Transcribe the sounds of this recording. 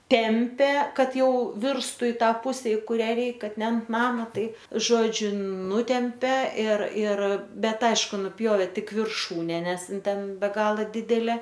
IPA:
ˈtʲɛmʲpʲeː ˈkɐt ˈjɛʊ ˈʋʲɪrstuː ɪ ˈtɑː ˈpʊsʲɛ ɪ ˈkʊrʲɛ ˈrʲɛɪk ˈkɐt nʲɛ ɐnt ˈnɑːmɐ ˈtɐɪp ˈʒoːd͡ʒʲʊ ˈnʊtʲɛmʲpʲɛ ɪr ɪr ˈbʲɛt ˈɐɪʃkʊ nʊˈpʲjoːʋʲeː ˈtʲɪk ʋʲɪrˈʃuːnʲɛ ˈnʲɛs ˈɪn ˈtʲɛn bʲɛ ˈɡɑːlˠɐ ˈdʲɪdʲɛlʲeː

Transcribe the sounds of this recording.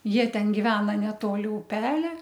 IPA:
ˈjiɛ ˈtʲɛn ɡʲɪˈʋʲæːnɐ nʲɛˈtoːlʲɪ ʊˈpʲæːlʲɛ

